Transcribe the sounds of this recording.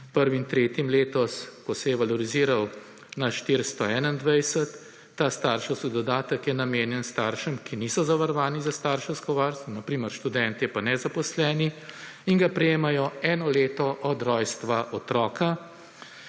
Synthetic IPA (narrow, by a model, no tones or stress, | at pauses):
pəɾʋimt̪ɾeːt̪imleːt̪ɔskɔsɛjɛʋalɔɾiziːɾaw | naʃt̪iɾst̪ɔɛːnaind̪ʋɛjsət̪ː | aːst̪aːɾʃɔwsid̪ɔd̪aːt̪əkjɛnameːnjɛnst̪aːɾʃəmkinisɔzaʋaɾɔʋaːnizast̪aːɾʃɔwskɔʋaːɾst̪ʋɔnɐpɾiːməɾʃt̪ud̪ɛnt̪jɛpanɛzapɔslɛːni | iŋɡapɾɛjeːmajɔɛːnɔleːt̪ɔʔɔd̪ɾɔːjst̪ʋaʔɔt̪ɾɔːka